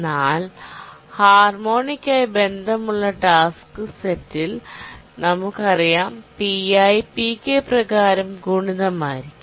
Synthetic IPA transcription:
nːaːlhaːrmo̞ːɳikʲːajbe̞nd̪ʱɐmuɭːɐʈaːskɨsetːil | nɐmukːɐrijaːmt̪iɐjpikːeprɐɣaːɾɐmɡʱuːɳiðɐmaːjiɾikkʲːum

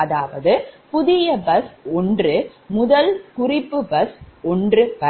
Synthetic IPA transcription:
ɐðaːʋɐðɯpʊðɪjɐbɐsɔndrɯ | mʊðɐlkʊrɪpːɯbɐsɔndrɯʋɐ

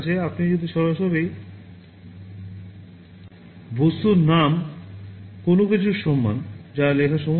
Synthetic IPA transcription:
t͡ɕeapnid͡ʑod̪ʱiʃɔɾaʃɔβej | bʱost̪uɾnam | konoket͡ɕʰuɾʃɔmːa̰nd͡ʑalekʰaʃɔm

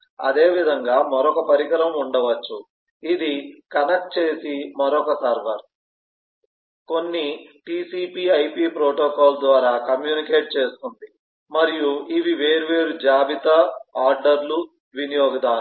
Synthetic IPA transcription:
ɐ̰d̪e̞ːʋid̪ʱɐŋɡaːmɐɾɔkɐpɐɾiɡɐɾɐmuɳɖɐʋɐt͡ʃːu | id̪ikɐnɐk̚ʈ̚t͡ʃeːsimɐɾɔkɐsaːɾʋɐɾ | ko̞nːiʈiːsiːpiːɐjpiːpɾoːʈoːkaːld̪ʋaːɾaːkɐmjuːnike̞ːʈ̚t͡ʃe̞ːst̪und̪i | mɐɾijuiʋiʋe̞ːɾuʋe̞ːɾud͡ʒaːbit̪ɐaːɾɖɐɾlu | ʋinijoːɡɐd̪aː

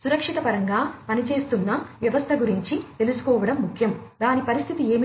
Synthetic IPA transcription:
suɾɐkʂit̪ɐpɐɾɐŋɡaːpɐnit͡ʃe̞ːst̪unːɐʋjɐʋɐst̪ʰɐɡuɾiɲt͡ʃit̪e̞lusu̥kɔːʋɐɽɐmːukʰjɐmd̪aːnipɐɾist̪ʰit̪ie̞ːm

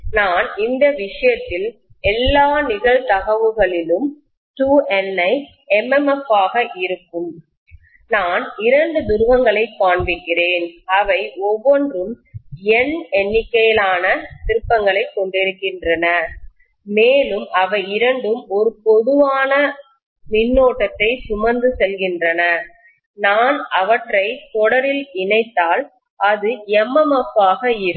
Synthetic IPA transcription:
naːnɪnd̪ɐʋɪʂɐjɐt̪ːɪl | ɛlːaːnɪɣɐɭt̪ɐɣɐʋɯɣɐɭɪlɯm | ʈuːʔɛnɐɪ | ɛmɛmɛfːaːɣɐʔɪɾɯkːɯm | naːnɪɾɐɳɖɯd̪ʊɾʊʋɐŋɡɐɭɐɪpːaːɳʋɪkːɪreːnɐʋɐɪɔʋːɔndrɯm | ɛnɛnːɪkːɐjɪlaːnɐt̪ɪɾɯpːɐŋɡɐɭɐɪkːɔɳɖɪɾɯkːɪndrɐnɐ | meːlɯmɐʋɐɪɪɾɐɳɖɯmɔɾɯpɔðɯʋaːnɐ | nɪnːoːʈːɐt̪ːɐɪsʊmɐnd̪ɯsɛlɣɪndrɐnɐ | naːnɐʋɐʈrɐɪt̪ɔɽɐɾɪlɪnɐɪt̪ːaːl | ʔɐðɯɛmːɐmɐpːaːɣɐɪɾɯ

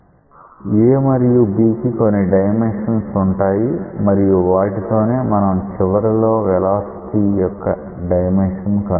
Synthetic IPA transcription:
eːmɐɾijubiːkiko̞nːiɖɐjmenʂɐnsuɳʈaːjimɐɾijuʋaːʈit̪o̞ːne̞ːmɐnɐmt͡ʃiʋɐɾulo̞ːʋɛlaːsi̥t̪ijɔkːɐ | ɖɐjmenʂɐnkɐ

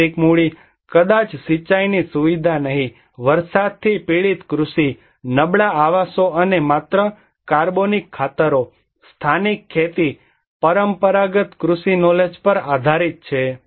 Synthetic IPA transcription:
ikmuɭi | kəd̪at͡ʃsit͡ʃajnisuʋid̪ʱanəɦĩ | ʋəɾsad̪̚t̪ʰipiɭit̪kɾusi | nəbɭaaʋasoənemat̪ɾə | kaɾbonikʰːat̪əɾo | st̪ʰanikʰːet̪i | pəɾəmpəɾaɡət̪kɾusinɔled͡ʒpəɾad̪ʱaɾit̪̚t͡ʃʰe

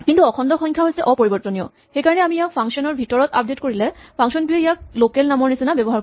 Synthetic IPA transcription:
kintuɔkʰɔndɔxɔŋkʰjaɦojsɛʔɔpɔɹibɔɹtonijɔ | xejkaɹɔnɛamiijak̚pʰaŋksɔnɔɹbʱitɔɹɔt̪a̰p̚detkoɹilɛpʰaŋʃɔndueijak̚lokelnamɔɹnesinabɛbɔɦa

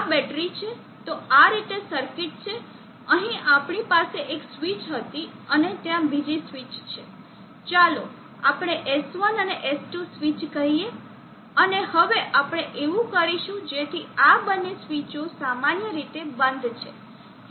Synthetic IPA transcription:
abɛʈɾit͡ʃʰe | t̪oaɾit̪esəɾkɪʈ̚t͡ʃʰe | əɦĩapɳ̃ipaseʔeksʋit͡ʃɦət̪iənet̪jãbid͡ʒisʋit͡ʃt͡ʃʰe | t͡ʃalo̰ | apɽ̃eʔesʋənəneʔesʈusʋit͡ʃkəɦie | ənehəʋeʔapɽ̃eʔeʋũkəɾiʃũd͡ʒet̪ʰiabənːesʋit͡ʃõsamanjəɾit̪ebə̃nd̪t͡ʃʰe

